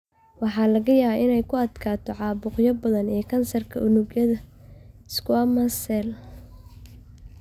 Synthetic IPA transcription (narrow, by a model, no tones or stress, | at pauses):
wɑħɑːlɐɣɐjaːβaɪnɛjkʰʊɐd̪kʰaːt̪ʰɔʕɑːbʊqjɐbɐðɐnɛːkʰɐnsɐrkʰɐʔʊnʊɡjɐðɐ | skwamɐsɛl